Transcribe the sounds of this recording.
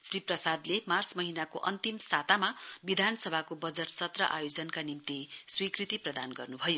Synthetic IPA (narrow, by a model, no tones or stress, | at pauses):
sriprʌsad̪lemarsmʌɦinakoʔʌnt̪imsat̪amabid̪ʱansʌbʱakobʌd͡zʌʈsʌt̪rʌʔa̰jod͡zʌnkanimt̪iswikrit̪iprʌd̪anɡʌrnubʱʌjo